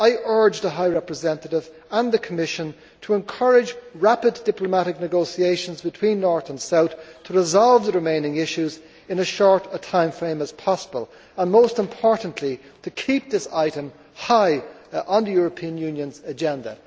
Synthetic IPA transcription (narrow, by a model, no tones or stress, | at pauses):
aɪʔɜ˞d͡ʒðəɦaɪɹɛpɹəzɛ̃ntəɾɪv | ə̃nðəkʰəmɪʃə̃n | tʰəɛ̃nkʰɜ˞ɪd͡ʒɹapɨddɪpləmaɾɨk̚nɨɡoʊsieɪʃə̃nzbɨtʰw̥ĩnːɔɹθə̃nsaʊθtʰəɹɪzɑlˠvðəɹɨmẽɪ̃nɪ̃ŋɪʃʉz | ɨ̃nəz̥ʃɔɹɾətʰãɪ̃ɱfɹẽɪ̃məz̥pʰɑsəbəlˠ | ə̃nmoʊstə̃mpʰɔɹʔn̩ʔlitʰəkʰip̚ðɪsaɪɾə̃m | haɪə̃nðəjʊɹəpʰĩə̃njʉ̃njə̃nzəd͡ʒɛ̃ndə̰